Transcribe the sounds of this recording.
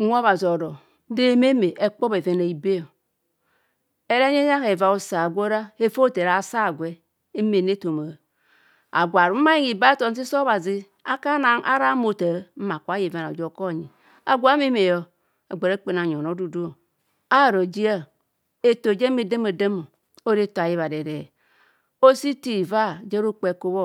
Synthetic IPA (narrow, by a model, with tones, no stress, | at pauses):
a˦βa˨zo˨ɾo˨˦ | de˦˨˦me˦me˨ʔe˦k͡po˦be˨ve˨na˨i˨be˦jo˨ | e˦ɾe˦ɲe˦ja˦ke˨va˨o˨sa˨ɡʷo˦ɾa˦e˦fo˦˨te˨ɾa˨sa˦˨ɡʷe˦ | me˨ne˦to˨ma˨ | a̰˨ɡʷa˨ɾu˨˦ma˦ji˦ŋi˨ba˦to˨n˦s̬i˦so˦βa˨zi˦ | a˦ka˦na˨ŋʔa̰˦ɾa˦mo˨ta˨˦m̩˦ma˨kʷa˦je˨va˦na˨d͡ʒo˨˦ko˦˨ɲi˨ | a̰˨ɡʷa˨˦me˦me˨jo˦ | a˨ɡ͡be˨ɾa˦k͡pe˨na˨ɲ˨o˨no˨˦du˨du˦o˨ | a˦˨ɾo˨d͡ʒi˦a˦ | e˨to˨d͡ʒe˦me˨de˦me˨de˦mo˨ | o˦ɾe˦ta˨ji˦βa˨de˨ɾe˨ | o˦si˦ti˦˨va˦˨d͡ʒe˦ɾo˦k͡pe˨ko˦βo˦